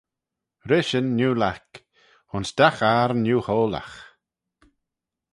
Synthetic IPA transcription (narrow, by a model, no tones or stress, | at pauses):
ɾɪʃənːuːlak | hʊnsd̪axaɾnuːhoːla̰x